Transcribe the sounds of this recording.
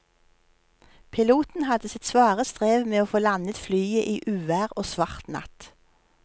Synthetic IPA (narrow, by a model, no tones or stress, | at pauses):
pʰɪluːt̪n̩hɑd̪əsɪt̪sʋɑːʁəst̪ʁeːʋmeːoːfoːlɑnət̪flyːəʔiːʔʉːʋæːʁoːsʋɑʁt̪nɑ̰t̪